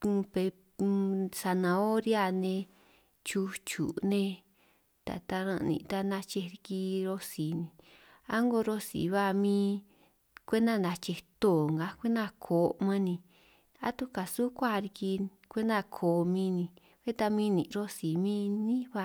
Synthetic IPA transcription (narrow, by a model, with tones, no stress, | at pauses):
u˧pe˧ | sa˧nã˧o˦ɾi˦a˧nẽ˧ | t͡ʃu˧t͡ʃṵ˨nẽ˧ | t̪a̰˨t̪a˧ɾã̰˧nḭ̃˧˨t̪a˦˧nã˧t͡ʃe˧ɾi˧ki˧ɾo˧si˨nĩ˧ | a˦ŋɡo˧ɾo˧sḭ˨βa˦˨mĩː˦ | kʷe˦nã˦˧˨nã˧t͡ʃe˧t̪o˦˨ŋɡa˧kʷe˦nã˧kʰo˨mã˧nĩ˧ | a̰˦t̪u˦ka˨su˦kʷa˦˧ɾi˧ki˧ | kʷe˦nã˧kʰo˨mĩ˧nĩ˧ | βe˦t̪a˧mĩ˦˧nĩ˨ɾo˦si˨mĩː˦nĩ˦βa˧˨